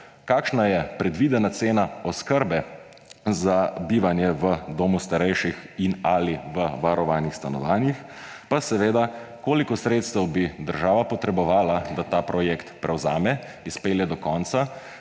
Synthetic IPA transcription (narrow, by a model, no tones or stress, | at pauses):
kaːkʃnajɛpɾɛd̪ʋiːd̪ɛnat̪seːnaɔskəɾbɛ | zabiːʋanjɛʋəd̪oːmust̪aɾɛjʃixinaliʋəʋaɾɔʋaːnixst̪anɔ̰ʋaːnjix | pasɛʋeːd̪akoːlikɔsɾeːt̪st̪ɛwbid̪əɾʒaːʋapɔt̪ɾɛbɔʋaːlad̪at̪aːpɾɔjɛkt̪pɾɛwza̰ːmɛ | ispeːljɛd̪ɔkɔːntsa